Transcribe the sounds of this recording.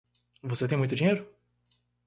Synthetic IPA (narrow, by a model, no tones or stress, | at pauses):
voset̪ẽj̃mũjt̪ʊd͡ʒiɲejɾʊ